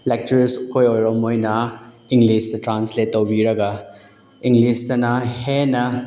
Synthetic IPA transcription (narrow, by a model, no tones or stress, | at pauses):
lɛk̚tuɾiskʰojojɾomojnɐ | iŋɡlistɐtɾansletːowbiɾɐɡɐ | iŋɡlistɐnɐhenɐ